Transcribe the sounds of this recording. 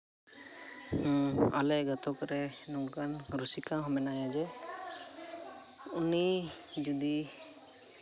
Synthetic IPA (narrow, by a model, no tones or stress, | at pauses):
a̰lɛɡat̪ɔkɾɛ | nɔŋɡan | ɾusikãɦɔmɛnajazɛ | uni | d͡ʒud̪i